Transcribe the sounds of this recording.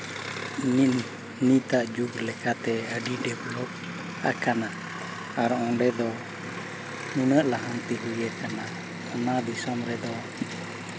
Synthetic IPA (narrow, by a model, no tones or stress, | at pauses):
ni | nit̪aʔd͡ʒuɡlɛkat̪ɛəɖiɖɛbulɔk̚ | a̰kana | aɾɔɔ̃ɖɛd̪ɔ | nunəʔlaɦant̪iɦujɛkana | ɔnad̪isɔmɾɛd̪ɔ